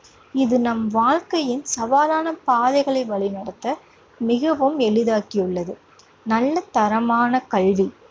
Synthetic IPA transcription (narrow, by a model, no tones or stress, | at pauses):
ɪðɯnɐmʋaːɻkɐjɪnsɐʋaːlaːnɐpaːðɐɪɣɐɭɐɪʋɐɭɪnɐɽɐt̪ːɐ | mɪɣɐʋɯmɛɭɯðaːkɪjɯɭːɐðɯ | nɐlːɐt̪ɐɾɐmaːnɐkɐɭʋi